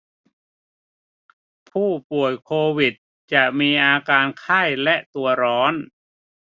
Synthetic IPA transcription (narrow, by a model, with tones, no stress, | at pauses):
pʰuː˥˩pu˨˩əjkʰoː˧wi˨˩t̪̚ | t͡ɕa˨˩ʔmiː˧ʔaː˧kaː˧nkʰaː˥˩jlɛ˦˥ʔt̪u˧ɐɾɔː˦˥n